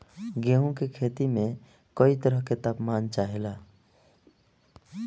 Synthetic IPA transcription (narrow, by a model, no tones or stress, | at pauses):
ɡeɦũkekʰeːt̪imẽ | kəit̪əɾəɦket̪apmaːnt͡ʃaɦela